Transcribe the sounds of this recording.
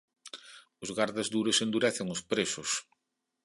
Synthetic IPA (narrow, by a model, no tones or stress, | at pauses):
ʊzɣaɾðazd̪uɾesend̪uɾɛθɪŋʊspɾesʊs